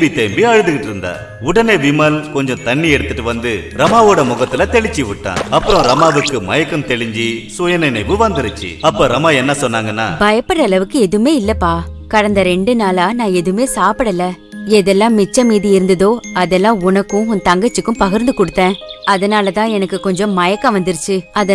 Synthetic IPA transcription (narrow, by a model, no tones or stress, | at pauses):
bit̪eːmbiɐɻɯðɯɣɪʈːɪɾɯnd̪a̰ː | ʊɽɐneːʋɪmɐlkɔɲd͡ʒɔ̃t̪ɐɳːiɛɽɯt̪ːɯʈːɯʋɐnd̪ɯɾɐmaːʋoːɽɐmʊɣɐt̪ːɪlɐt̪ɛɭɪt͡ʃːiʋɪʈːã̰ːɐpːɯɾɔ̃ɾɐmaːʋɯkːɯmɐ̰jɐkːɐmt̪ɛɭɪɲd͡ʒisʊjɐnɐɪnɐɪʋɯʋɐnd̪ɪɾɯt͡ʃːḭɐpːoːɾɐmaːɛnːɐsɔnːaːŋɡɐnːa̰ːbɐjɐpːɐɽɐːlɐʋɯkːɯɛðɯmeːɪlːɐpːaː | kɐɽɐnd̪ɐɾɛɳɖɯnaːlaːnãːɛðɯmeːsaːpɯɽɐlːɐ | ɛðɛlːãːmɪt͡ʃːɐmiːðiɪɾɯnd̪ɐðoːɐðɛlːãːʊnɐkːʊ̃ʊnt̪ɐŋɡɐt͡ʃːɯkːʊ̃pɐɣɪɾnd̪ɯkɔɽɯt̪ːẽːɐðɐnaːlɐt̪ãːɛnɐkːɯkɔɲd͡ʒɔ̃mɐjɐkːɐ̃ʋɐnd̪ɪɾɯt͡ʃːɯɐð